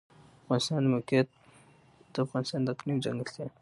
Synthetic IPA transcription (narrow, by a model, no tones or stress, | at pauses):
afɣɑnɪst̪ɑnmokjat̪̚ | d̪̥əafɣɑnɪst̪ɑnd̪aqnimd͡ʒa̰ŋɡəst̪e